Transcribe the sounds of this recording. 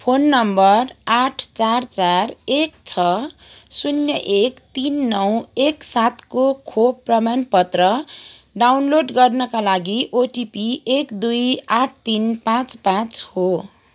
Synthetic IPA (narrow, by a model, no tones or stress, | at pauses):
pʰonːʌmbʌraʈʰt͡sart͡sarekt͡sʰʌsunjʌʔekt̪inːʌw̃eksat̪kokʰobprʌmanpʌt̪rʌ | ɖawnloɖɡʌrnʌkalaɡiʔoʈipiekd̪ujaʈʰt̪inpãt͡spãt͡sho